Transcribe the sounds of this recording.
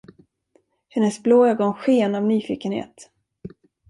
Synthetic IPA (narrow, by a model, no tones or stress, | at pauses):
hɛnəsbloːɑɡɔːnɧeːnavnyːfiːkənhḛːt̪